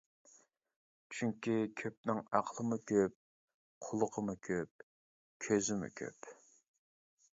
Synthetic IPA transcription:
t͡ʃʰyŋkʲikʲʰøp̚nɪŋɑqʰlˠəmukʲʰøp̚ | qʰolˠʊqʰəmukʲʰøp̚ | kʲʰøzɪmʊ̰kʲʰø̰p

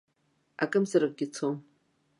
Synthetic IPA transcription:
akʼɨmzaɾɨk̚ʼɡʲɪt͡sʰom

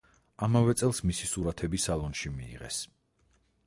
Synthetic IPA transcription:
amavɛt̪sʼɛlˠsmisisuɾat̪ʰɛbisalˠɔnʃimḭːʁɛ̰s

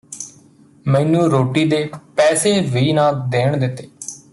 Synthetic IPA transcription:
mɛ̃ːnũːɾoːʈiːd̪eːpɛːseːʋiːnãːd̪eːɳd̪ɪt̪ːeː

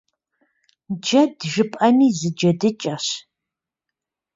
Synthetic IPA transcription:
d͡ʒɐdʒɨpʼɐniːzɨd͡ʒɐdɨt͡ʃʼɐɕ

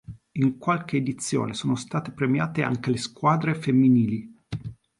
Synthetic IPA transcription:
iŋkwalk̟eːd̪it̪sːjo̰ːnesoːnost̪aːt̪epɾemjaːt̪ea̰ŋk̟eleskwaːd̪ɾefemːiniːli

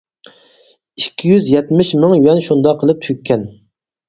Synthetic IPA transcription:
ikʲʰːijyzjɛt̪mɪʃmɪŋywɛnʃund̪ɑqʰːəlˠɨp̚t̪ʰykʲʰːɛn

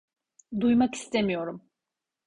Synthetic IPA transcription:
d̪ujmaki̥st̪ʰe̞mijo̞ɾum

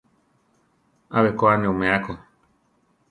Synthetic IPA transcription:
aβekoanẽumẽako

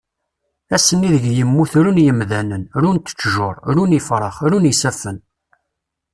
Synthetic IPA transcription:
æsːənːiðəɡjəmːuθɾunjəmðænənɾunt̪ə̥t͡ʃːʒʊɾˤɾunifɾˤɑχɾunisæfən

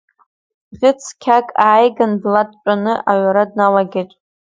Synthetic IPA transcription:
ʁʲɪt͡sʰkʲʰakʼaːjɡanblatʼt͡ʃʷʼanɨʔaɥʷaɾad̚nalaɡʲetʷʼ

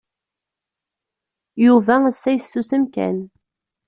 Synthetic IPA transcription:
juvæəsːæjəsːusəmkæ̰n

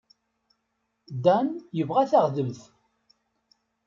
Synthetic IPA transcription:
d̪ænjəvʁæθaʁðəmθ

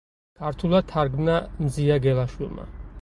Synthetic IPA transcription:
kʰaɾt̪ʰulˠad̪̥̚t̪ʰaɾɡmnamziaɡɛlaʃwilˠma̰

